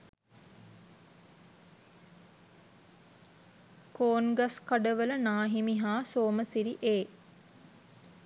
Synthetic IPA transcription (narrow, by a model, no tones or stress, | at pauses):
koːnɡaskaɖəʋələnaːɦimiɦaːsoːməsiɾiʔeː